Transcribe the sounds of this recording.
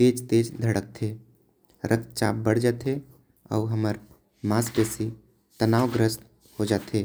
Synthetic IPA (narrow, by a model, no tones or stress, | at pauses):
t̪eːd͡ʒt̪eːd͡ʒd̪ʱəɽək̚t̪ʰeː | ɾʔək̪t͡ʃaːp̚bəɽd͡ʒaːt̪e | ɔ̰ːɦəməɾ | maːspesi | t̪ənaːwɡɾəst̪ | hod͡ʒaːt̪ɦeː